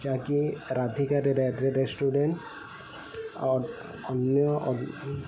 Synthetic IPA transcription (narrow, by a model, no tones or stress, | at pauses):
d͡ʒakiɾad̪ʱikaɾeɾeɾesʈuɖeʈ | ɔnjɔɔ